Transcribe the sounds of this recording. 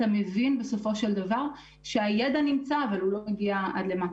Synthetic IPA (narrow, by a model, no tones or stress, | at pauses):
ame̞vinbe̞so̞fo̞ʃe̞ld̪avaʁ | ʃeajed̪animt͡saːvalulo̞meɡiaad̪le̞ma